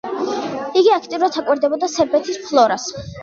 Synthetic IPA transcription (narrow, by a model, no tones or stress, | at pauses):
iɡiakʰt̪ʼivuɾat̪ʰakʼwɛɾd̪ɛbɔd̪asɛɾbɛt̪ʰispʰlˠɔɾas